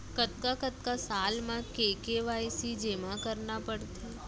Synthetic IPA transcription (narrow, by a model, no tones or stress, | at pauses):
kət̪̚kakət̪̚kasaːlmãkeːkeʋaːjsid͡ʒemãkəɾnapəɽt̪eː